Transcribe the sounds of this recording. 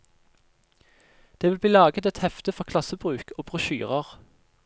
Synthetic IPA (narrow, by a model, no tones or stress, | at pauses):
d̪̥eːʋɪlbliːlɑːɡət̪ɛt̪hɛft̪əfɔʁkʰlɑsəbʁʉːkʰoːbʁʉʃy̰ːʁəʁ